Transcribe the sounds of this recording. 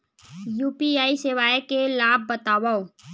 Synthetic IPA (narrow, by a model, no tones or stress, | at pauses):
juːpiaːisɪʋaːekelaːb̚ːət̪aːʋaoː